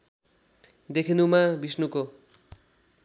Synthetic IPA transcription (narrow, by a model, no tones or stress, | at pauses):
d̪ekʰinumabisnuko